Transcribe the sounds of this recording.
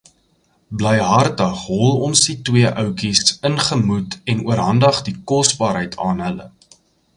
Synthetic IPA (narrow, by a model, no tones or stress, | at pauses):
bləjɦɐrtəχɦɔlˠɔnsditwiəʔœwkisənχəmutɛnuəɾɦɐndɐχdikɔsbɑːɾɦəjtʰɑːnɦələ̰